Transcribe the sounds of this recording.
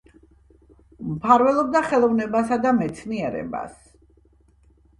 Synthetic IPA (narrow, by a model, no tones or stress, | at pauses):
mpʰaɾvɛlˠɔb̚d̪aχɛlˠɔvnɛbasad̪amɛt̪sʰniɛɾɛ̰ba̰s